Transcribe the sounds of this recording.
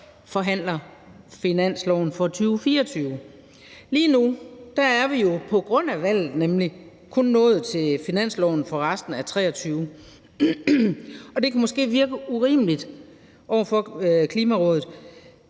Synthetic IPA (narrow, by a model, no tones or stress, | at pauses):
fɒ̽ɦæn̰lɐ | finæn̰slɒʊ̰n̩fɒ̽t͡sʰyːʊfiːɐɒt͡sʰyːʊ | liːnud̥ææɐʋijo̝pʰɒ̽ɡ̥ʁɔ̽n̰æʋæl̰ð̩ˠnemli | kʰɔ̽nːɔ̽ːð̞̩ˠt͡sʰe̝lfinæn̰slɒʊ̰n̩fɒ̽ʁasd̥n̩æt͡sʰʁɛ̰ːɒ̽t͡sʰyːʊ | ɒ̽d̥e̝kʰæmɔ̽sɡ̥e̝̰ːʋiɐɡ̥əuʁḭːməlid̥ | ʔɒʊ̰ɐfɒ̽kʰliːmæʁɔ̽ːðð̩ˠ